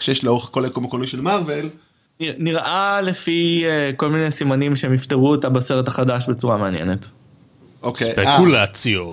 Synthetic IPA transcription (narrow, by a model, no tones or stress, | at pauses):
ʃejeʃlaoχkolekomokolijʃelmavel | iniʁʔalefieko̞lminesimanimʃeemift̪eʁuetabaseʁetaχadaʃbet͡suʁameanjḛnet | ʔoskepekulat͡sjo